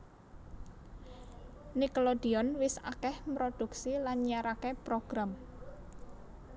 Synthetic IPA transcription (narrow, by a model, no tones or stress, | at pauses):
niklod̪̥iɔnwɪsa̰kɛhmpɾod̪̥ṳksilanɲaɾakepɾoɡ̥ɾam